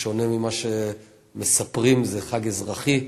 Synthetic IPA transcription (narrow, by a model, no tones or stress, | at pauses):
ʃo̞nemimaʃe | mesapʁimzeχaɡezʁaχi